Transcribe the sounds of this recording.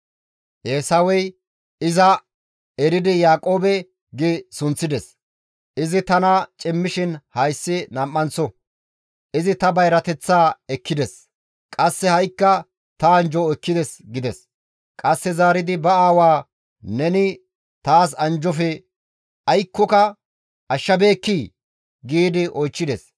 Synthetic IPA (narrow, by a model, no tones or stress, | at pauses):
ʔeːsɐwɛj | ɪzɐ | ɛɾɪd̪ɪjaːkʼo̞ːbɛ | ɡɪsʊnt͡sːɪd̪ɛs | ʔɪzɪt̪ɐnɐt͡ʃʼɪmːɪʃɪnhɐjsːɪnɐmːɐnsɔ | ʔɪzɪt̪ɐbɐjɾɐt̪ɛt͡sːaːɛkːɪd̪ɛs | kʼɐsːɛhɐjkːɐ | t̪ɐːnd͡ʒɔɛkːɪd̪ɛsɡɪd̪ɛs | kʼɐsːɛzaːɾɪd̪ɪbɐaːwaː | nɛnɪ | t̪aːs̬ɐnd͡ʒɔfɛ | ɐjkːɔkɐ | ʔɐʃːɐbe̞ːkːiː | ɡiːd̪ɪʔɔjt͡ʃːɪd̪ɛs